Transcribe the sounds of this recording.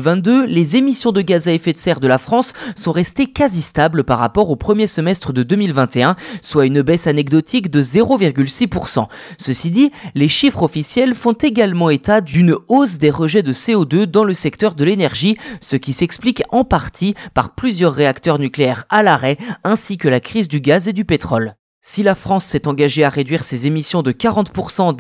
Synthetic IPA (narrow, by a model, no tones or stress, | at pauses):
vɛ̃t̪̚d̪ølezemisjɔ̃d̪əɡazaefɛt̪sɛʁd̪əlafχɑ̃sːɔ̃ʁɛst̪ekazist̪ablpaʁːa̰pɔʁopχəmjesəmɛst̪χəd̪əd̪ømilvɛ̃t̪eɛ̃swaynbɛsanɛɡd̪ɔt̪ʰikd̪əzeʁoviʁɡʲylsipuʁsɑ̰̃ | səsid̪ileʃifχɔfisjɛlfɔ̃t̪eɡalmɑ̃et̪ad̪ynosd̪eʁəʒɛd̪əseod̪ød̪ɑ̃ləsɛkt̪œʁd̪əlenɛʁʒisəkʲisɛksplikɑ̃paʁt̪ʰipaʁplyzjœʁːeakt̪œʁnykleɛʁalaʁɛɛ̃sikəlakχizd̪yɡazed̪ypet̪χɔl | silafχɑ̃sːɛt̪ɑ̃ɡaʒeaʁed̪ɥiʁsezemisjɔ̃d̪əkaʁɑ̃t̪puʁsɑ̃